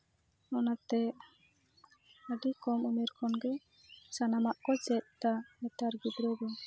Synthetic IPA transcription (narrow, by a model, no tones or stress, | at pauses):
ɔnat̪ɛ | əɖikɔmumɛɾkɔnɡɛ | sanamaʔkɔt͡ʃɛt̪̚ˀt̪amɛt̪aɾɡibɾɔbɔ